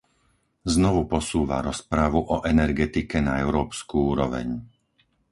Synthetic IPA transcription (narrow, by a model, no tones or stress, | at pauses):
znɔʋupɔsuːʋa̰ɾɔspɾaʋuʔɔʔɛnɛɾɡɛt̪ikɛnaɛʊɾɔːpskuuːɾɔʋɛ̰ɲ